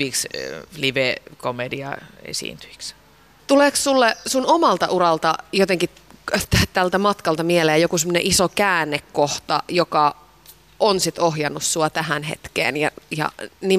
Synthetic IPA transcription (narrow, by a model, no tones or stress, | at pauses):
yʋiksliʋekomediɑ̰ḛsḭːnt̪y̥i̥ks | t̪uleːkssulːesunomɑlt̪ɑʔuɾɑlt̪ɑjot̪eŋki | t̪t̪ælt̪æmɑt̪kɑlt̪ɑmieleːjokusemːŏnḛʔisokæːnːekːoht̪ɑjokɑ | onsit̪ohjɑnːussuɑt̪æhænhḛt̪kḛːnjɑjɑ̰ni